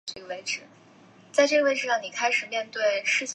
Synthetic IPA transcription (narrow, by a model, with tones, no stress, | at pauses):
we˧˥ɪʈ͡ʂɻ̩˨˩˦ | t͡sa˥˧ɪʈ͡ʂɤ˥˩ɡə˩we˥ɪʈ͡ʂɻ̩˧˩ɑ˥˩ŋni˨˩kʰa˥ɪʂɻ̩˨˩mjɛ˥˧nt̪we˥˧ɪʂɻ̩˥˧t͡ɕʰ